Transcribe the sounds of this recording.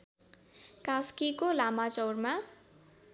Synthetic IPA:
kaskikolamat͡sʌwrma

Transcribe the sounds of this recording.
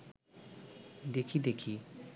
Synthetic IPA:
d̪ekʰid̪ekʰi

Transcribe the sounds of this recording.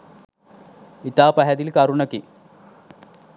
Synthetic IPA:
it̪aːpɐɦɐd̪ilkɐɾuɳɐki

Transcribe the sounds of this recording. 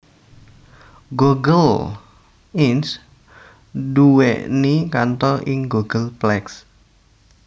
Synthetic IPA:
ɡoɡəl | ins | duwḛʔnikant̪ɔʔɪŋɡoɡ̥əlplɛks

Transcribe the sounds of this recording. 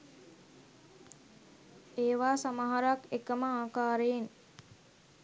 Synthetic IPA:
eːʋaːsamaɦaɾakekəməaːkaːɾejen

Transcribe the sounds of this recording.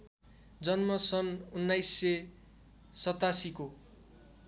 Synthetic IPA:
d͡zʌnmʌsʌnunːajsːe | sʌt̪asiko

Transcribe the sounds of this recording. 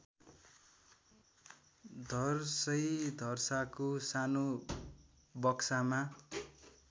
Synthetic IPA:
d̪ʱʌrsʌjd̪ʱʌrsakosano | bʌksama

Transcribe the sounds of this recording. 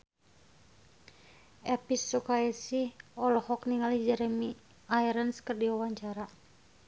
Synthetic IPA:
ɛpisːukaɛsiɔlɔhɔkniŋalid͡ʒɛɾɛmi | ajɾənskərdiawaɲt͡ʃaɾa

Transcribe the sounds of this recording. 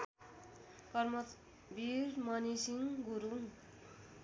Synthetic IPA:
kʌrmʌ | biɾmʌnisiŋɡuɾu

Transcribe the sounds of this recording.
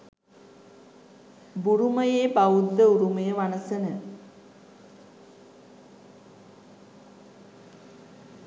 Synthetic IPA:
buɾuməjeːbaud̪ːəuɾuməjəʋanəsənə

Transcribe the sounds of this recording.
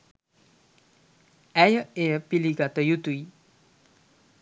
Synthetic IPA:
ɛjəeəpiliɡat̪əjut̪uj

